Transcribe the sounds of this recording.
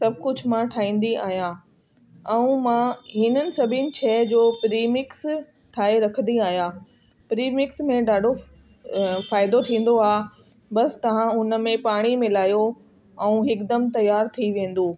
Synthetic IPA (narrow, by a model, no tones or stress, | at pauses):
sɐb̚ʱkʊd͡ʑʱmãʈʰaːĩːn̆d̪ia̰ːɦjã | ɛ̃ũmãɦɪnənɪ̆sɐbʱɪnɪ̆t͡ɕʰɛːd͡ʑoːpɾiːmɪks | ʈʰaːɦeɾɐkʰənd̪iaːɦjãː | pɾiːmɪksmẽɖaːɖʱo | faːɪd̪ot̪ʰĩːn̆d̪oaː | bɐst̪ɐʋ̤ãʊnə̆mẽpaːɽ̃imɪlaːjo | ɛ̃ũɦɪkd̪ɐmt̪ɐjaːɾt̪ʰiʋẽːn̆d̪oː